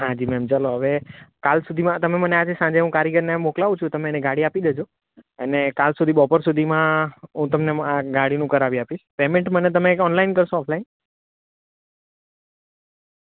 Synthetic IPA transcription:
ɦãd͡ʒimɛmt͡ʃəloɦəʋekalsud̪ʱimãt̪əmemənead͡ʒesãɲd͡ʒeɦũkaɾjiɡəɾnemoklaʋũt͡ʃʰũt̪əmeneɡaɽiapid̪ed͡ʒo | ənekalsud̪ʱiɓɔpəɾsud̪ʱimãɦũt̪əmneaɡaɽinũkəɾaʋiapiʃpemẽɳʈmənet̪̬əmeɔnlainkəɾʃoːpʰlain

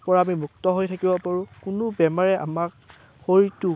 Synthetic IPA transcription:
pɔɹaːmimuk̚tɔɦojtʰakibɔpaɹũkʊnʊbɛmaɹɛʔa̰mak̚ | xoɹitu

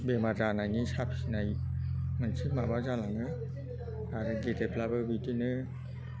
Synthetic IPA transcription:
bemazanajnisapʰi̥sinajmɯnsʰimabazalaŋɯ | aɾɯɡetepʰlabɯbitinɯ

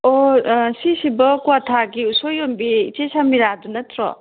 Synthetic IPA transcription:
osisibɔkuatʰaɡiusojombḭːtesamiɾadunɐtʰɾɔ̰

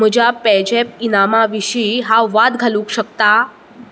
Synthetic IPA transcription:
m̤əd͡ʑapɛd͡ʑep̚inamaʋiɕiɦaʋad̪ɡʱəlũkɕək̚t̪a

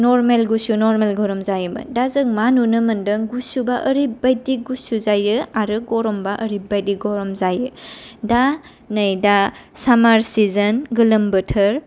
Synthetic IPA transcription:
nɔɾmelɡusunɔɾmelɡɔɾɔmzajɯmɯ̰dazɯŋmanunɯmɐndɯŋɡusubaʔəɾibajdiɡusuzajɯaɾɯɡɔɾɔmbaʔɐɾibajdiɡɔɾɔmzajɯda | nɐjdasamaɾsizɐnɡɯlɯmbɐtʰɐɾ

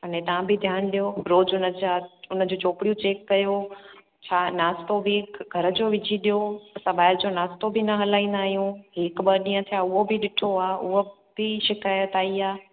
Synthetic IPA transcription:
ɐnẽt̪ɐʋ̤ãbʱɪd̪ʱjaːnɗijoɾoːd͡ʑʊnəd͡ʑaːʊnə̆d͡ʑoːt͡ɕoːpɪɽijũt͡ɕeːkːɐjo | t͡ɕʰaːnaːst̪obɪɡʱɐɾə̆d͡ʑoːʋɪd͡ʑʱiɗijosɐbaːɪld͡ʑonaːst̪obʱɪnɐɦɐlaːĩːnd̪aːɦijũɦɪkɓɐɾɗĩːə̃t̪ʰijaːʊɦobɪɗɪʈʰoaːʊɦo | bɪʃɪkaːjət̪aːiaː

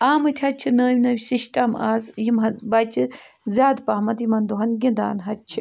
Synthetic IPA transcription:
aːmɨt̪ʰʲɐt͡ʃʰinəːʋʲnɐwʲsiʃʈɐma̰ːzjimɦɐbɐt͡ʃʰi | zʲaːd̪pɐːmɐt̪jimɐnd̪uɦɐnɡind̪a̰ːnɦɐt͡ʃʰi

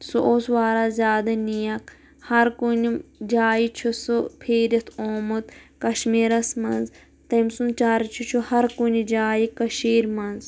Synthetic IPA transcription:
suʔoːsʋaːɾaːzʲjaːd̪ɐnijɐk | hɐɾkunid͡ʒaːjit͡ʃʰusɨpʰiːɾɐt̪ʰoːmut̪kɐʃmiːɾɐsmɐnz | t̪ɐmsunt͡ʃaːɾɐt͡ʃʰut͡ʃʰuhɐɾkunid͡ʒaːjikɐʃiːɾmɐnz

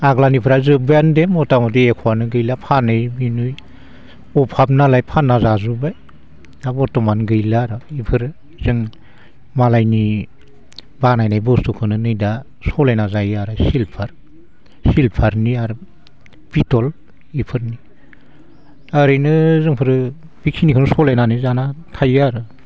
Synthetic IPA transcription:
aɡlanipʰɯɾazɯbjandemɔtamɔt̬iekʰɔanɯɡɯjlapʰanɯjbinuj | ɔpʰap̚nalajpʰanːazazubaj | abɔtɔmanɡɯjlaɾɔipʰɯɾɯ | z̥ɯŋ | malajni | banajnajbɔstukʰɯnɯnɯjda | sɔlajnazajaɾɯsilpʰaɾ | silpʰaɾniaɾɯ | b̥itɔl | ipʰɯɾni | aɾɯjnɯzɯŋpʰɯɾɯ | biksʰinikʰɯnusɔlajnanɯjzanatʰajaɾɯ

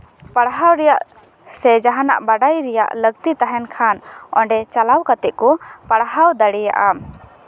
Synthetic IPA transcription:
paɽɦawɾɛjaʔ | sɛd͡ʒaɦanaʔbaɖajɾɛja̰ʔləɡt̪it̪aɦɛnkʰanɔ̰ɳɖɛt͡ʃalawkat̪ɛʔkɔpaɽɦawd̪aɽɛja̰ʔa

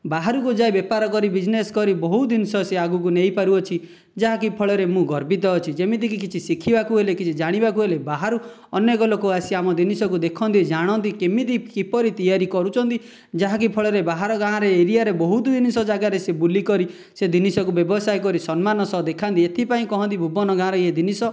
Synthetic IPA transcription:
baɦaɾukud͡ʒajbepaɾɔkɔɾibid͡ʒneskɔɾibɔɦud̪inisɔseaɡukuneɦipaɾuɔt͡ʃʰi | d͡ʒaɦakipʰɔɭɔɾemũɡɔɾbit̪̬ɔːt͡ʃʰid͡ʒemit̪̬ik̬ikit͡ʃʰisikʰibakuɦelekit͡ʃʰid͡ʒaɽ̃ibakuɦelebaɦaɾu | ɔnːekɔlokoasiamɔd̪inisɔkud̪ekʰɔnt̪̬id͡ʒaɽ̃ɔnt̪ikemit̪̬ikipɔɾit̪ijaɾikɔɾut͡ʃʰɔnt̪i | d͡ʒaɦak̬ipʰɔɭɔɾebaɦaɾɔɡãːɾeeɾijaɾebɔɦut̪ud̪inisɔd͡ʒaɡaɾesebulikɔɾi | sed̪inisɔkubjɔbɔsajkɔɾisɔnmanɔsɔd̪ekʰant̪iet̪ʰipaĩkɔɦɔ̃nt̪ibʱubɔnɔɡãɾeed̪inisɔ

